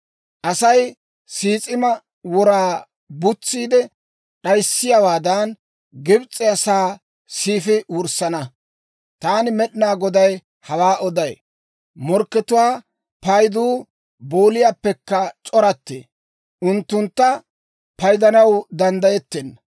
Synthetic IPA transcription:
ʔɐsɐj | siːt͡sʼɪmɐ | wɔɾaː | bʊt͡sːiːd̪ɛ | ɗɐjsːɪjawaːd̪ɐn | ɡɪbt͡sʼːɪɐsaː | siːfɪwʊɾsɐnɐ | t̪aːnɪmɛɗɪnaːɡɔd̪ɐj | hɐwaːʔɔd̪ɐj | mɔɾkːɛt̪ʊwaː | pɐjd̪uː | boːlɪjaːpːɛkːɐt͡ʃʼɔɾɐt̪ːḛː | ʔʊnt̪ːʊnt̪ːɐ | pɐjd̪ɐnɐwd̪ɐnd̪ɐjɛt̪ːeːn

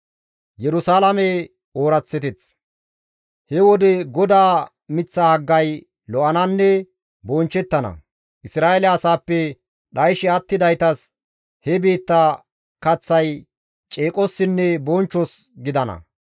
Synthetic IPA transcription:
jɛɾʊsaːlɐmɛ | oːɾɐt͡sːɛt̪ɛt͡s | hɛwɔd̪ɛɡɔd̪aː | mɪt͡sːahɐɡːɐj | lɔʔɐnɐnːɛ | bɔnt͡ʃːɛt̪ːɐnɐ̰ | ʔɪsɾaːʔelɐɐsaːpːɛ | ɗɐjʃɪɐt̪ːɪd̪ɐjt̪ɐs | hɛbe̞ːt̪ːɐ | kɐt͡sːɐj | t͡ʃʼeːkʼɔsːɪnːɛbɔnt͡ʃːɔs | ɡɪd̪ɐnɐ̰

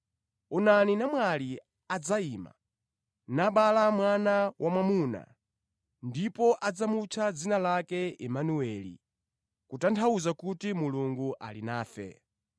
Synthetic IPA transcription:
unaninamwali | ad͡zaiːma̰ | naɓalamwanawʔamwamuna̰ | ndipɔʔad͡zamut͡ʃʰad͡zinalakɛɛmanuwɛlḭ | kutantʰauzakutimuluŋɡuʔa̰linaːfɛ̰

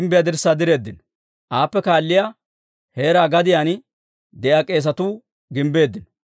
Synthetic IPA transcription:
mbɪjad̪ɪɾsːaːd̪ɪɾe̞ːd̪ːɪn | ʔaːpːɛkaːlːɪja | he̞ːɾaːɡɐd̪ɪjaːn | d̪ɛʔaːkʼe̞ːs̬ɐt̪uː | ɡɪmbe̞ːd̪ːɪn

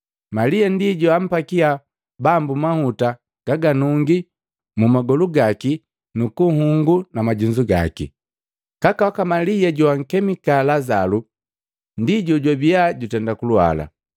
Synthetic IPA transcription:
malijandiɟuam̩pakia | bambumahuta | ɡ̥aɡanuŋɡi | mumaɡɔluɡaki | nukuhuŋɡunamaɟuɲzuɡa̰kḭ | kakawakamalijaɟuaŋ̩kɛmikalazalu | ndiɟuɟwabijaɟutɛndakulwa̰la̰

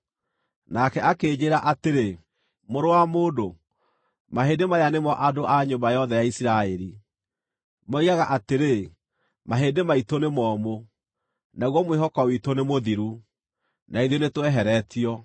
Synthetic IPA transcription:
nakɛakeːd͡ʑeːɾaʔateɾe | moɾowamoːdo | maɦedemajanemɔʔadoʔaɲombajɔðɛjaisiɾaeɾi | maiɣaɣaʔateɾe | maɦedemaitonemɔːmo | naɣwɔmweɦɔkɔwitonemoðiɾu | naiðjonetwɛɦɛɾɛtiɔ

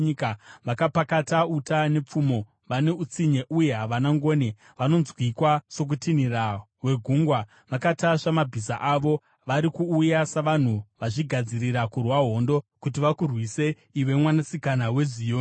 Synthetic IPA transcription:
ikaʋakapakatautane̞p͡fumo̞ | ʋane̞ut͡siɲe̞ʔuje̞ɦaʋanaŋɡo̞ːne | ʋano̞nzwikwaso̞k̬utinira | ɦwe̞ɡʱuŋɡwa | ʋakataʂamabʱisa̰ʔaʋo̞ | ʋaɾikuːjasaʋan̤uʋaʐiɡʱad͡ziriɾakurwaɦo̞ndo̞kut̬iʋakurwise̞ | iʋe̞mwanasikanawe̞zio

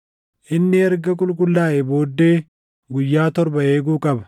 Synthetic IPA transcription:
ʔɪnːɪɛɾɡɐkʼʊlkʼʊlːaːʔɛbo̞ːd̪ːe̞ː | ɡʊjːaːt̪ɔɾbɐe̞ːɡuːkʼɐbɐ̥

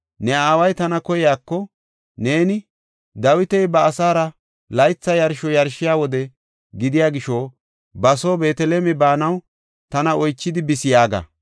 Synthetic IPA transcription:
nɛaːwɐjt̪ɐnɐkɔjɪjaːkːɔ | ne̞ːnɪ | d̪ɐwɪt̪ɛjbɐːsaːɾɐ | lɐjt͡sːɐjɐɾʃɔjɐɾʃɪjaːwɔd̪ɛ | ɡɪd̪ɪjaːɡɪʃo | bɐsoːbe̞ːt̪ɛleːmɛbaːnɐw | t̪ɐnɐʔɔjt͡ʃːɪd̪ɪbɪsɪjaːɡɐ̰

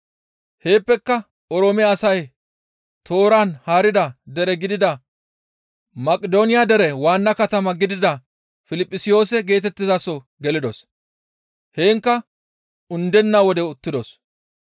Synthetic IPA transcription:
he̞ːpːɛkːɐ | ɔɾoːmɪːsɐj | t̪o̞ːɾanhaːɾɪd̪ɐd̪ɛɾɛɡɪd̪ɪd̪ɐ | mɐkʼɪd̪o̞ːnɪjad̪ɛɾɛwaːnːɐkɐt̪ɐmɐɡɪd̪ɪd̪ɐ | fɪlɪpʼːɪsɪjo̞ːsɛɡe̞ːt̪ɛt̪ːɪzasɔ | ɡɛlɪd̪ɔs | he̞ːŋkːɐ | ʊnd̪ɛnːawɔd̪ɛʊt̪ːɪd̪ɔs

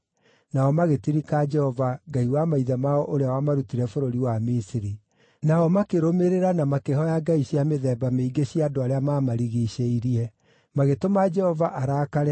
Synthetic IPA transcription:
naɔmaɣetiɾikad͡ʒɛhɔvaɡaiwamaiðamaɔʔoɾeawamaɾutiɾɛfoɾoɾiwamisiɾi | naɔmakeɾomeɾeɾanamakeɦɔjaɡaiɕjameðɛbameiɡeɕjaːdoaɾeamamaɾiɣiɕeiɾiɛ | maɣetomad͡ʒɛhɔvaʔaɾaːkaɾɛ

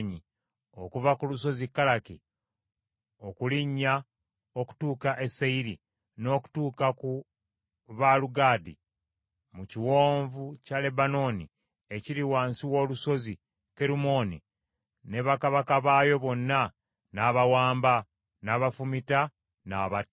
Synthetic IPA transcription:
ɲi | o̞kuvakuluso̞zikːalaki | o̞kuliɲːa | o̞ku̥tuːkaʔe̞seiɾi | no̞ːku̥tuːkaku | βaluɡaːdḭ | muciwo̞ːɱvucale̞bano̞ːnḭ | e̞ciɾiwaːnsiwo̞ːluso̞zi | ke̞ɾumo̞ːni | ne̞βakaβakaβaːjo̞βo̞nːa | naβawaːmba | naːβafumita | naːβat

